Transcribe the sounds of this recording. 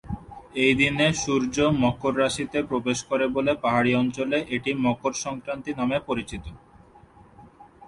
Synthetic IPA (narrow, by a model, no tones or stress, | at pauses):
ejd̪ineʃuɾd͡ʑomɔkoɾːaʃit̪epɾobeʃkɔɾebolepaɦaɽiɔnt͡ɕoleʔeʈimɔkoɾʃɔŋkɾant̪inamepoɾit͡ɕit̪o